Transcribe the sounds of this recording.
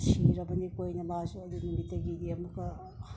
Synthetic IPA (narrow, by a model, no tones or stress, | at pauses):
siɾɐbɐnikojnɐmazuɐd̪unumitːɐɡidiɐmukɐ